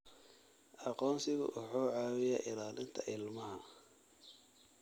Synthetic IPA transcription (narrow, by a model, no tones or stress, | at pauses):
ʔɑqɔːnsɪɣʊ̰ʔʊħuːʕɑːwɪjɛʔɪlaːlɪnt̪ʰɐʔɪlmɐɦɐ